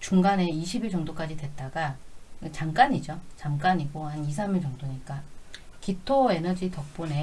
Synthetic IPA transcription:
t͡ɕuŋɡane̞iɕʰibiɭt͡ɕʌŋdok͈ad͡ʑidwe̞t̚t͈aɡat͡ɕamk͈aɲid͡ʑot͡ɕamk͈aɲiɡohanis̬ʰamiɭt͡ɕʌŋdoɲik͈a | kitʰoe̞nʌd͡ʑitʌk̚p͈one̞

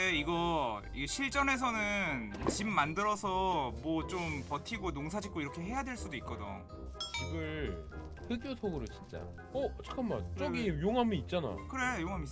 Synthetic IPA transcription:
eiɡʌ | iɕʰiɭt͡ɕ͈ʌne̞s̬ʰʌnɯnt͡ɕimːandɯɾʌsʰʌmwʌt͡ɕompʌtʰiɡonoŋsʰad͡ʑʰik͈oiɾʌkʰe̞ɦe̞jadwe̞ɭs͈udoik̚k͈ʌdoŋ | kiɡɯɭ | ɸɯɡjosʰoɡɯɾot͡ɕint͡ɕ͈a̰ | ʌt͡ɕʰḁkʰamːa̰nt͡ɕ͈ʌɡijoŋɦamiːt̚t͡ɕ͈ana̰kɯɾe̞joŋɦamis

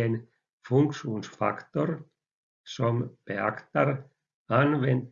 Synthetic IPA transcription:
en | fuŋkʂuːnsfɑ̰kt̪or | sompeɑ̰kt̪ɑɾ | ɑnʋent̪

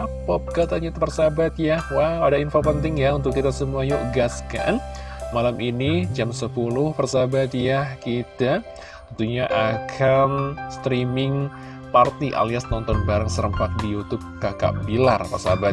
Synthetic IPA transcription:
apɔp̚kat̪aɲat̪pərsabat̪jahwawadainfopənt̪ɪŋjaunt̪ʊk̚kːit̪asəmuajoʔɡaska̰nmalamʔinid͡ʒamsəpulʊhpərsabat̪jahkit̪a | t̪ɔnt̪uhɲaʔakʰanst̪ɾimɪŋ | part̪iʔa̰liasnɔnt̪ɔnbaɾaŋsəɾəmpak̚dijut̪ʊp̚kaka̰ʔbilarpərsabat̪̚

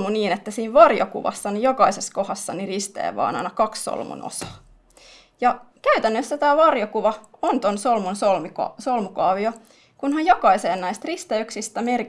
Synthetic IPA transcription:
muniːnet̪ːæsiːʋʋɑrjo̰kṵʋɑ̰sːɑnijokɑiseskohɑsːɑnirist̪ḛːʋʋɑ̰ːnɑ̰ijnɑkɑksso̰lmṵno̰sɑ̥ː | jɑkæyt̪ænːøsːæt̪æːʋɑrjokuʋɑont̪onsolmunsolmsolmukɑːʋio | kunhɑjjokɑiseːnːæjst̪rist̪eyksist̪æmer

